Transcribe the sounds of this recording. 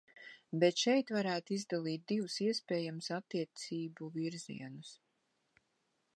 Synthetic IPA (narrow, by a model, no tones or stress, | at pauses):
bɛt̪ʃɛjt̪vaɾæːt̪izd̪alˠiːt̪̚d̪ivusiɛspɛːjamusat̪ːiɛt̪siːbuviɾzḭɛnus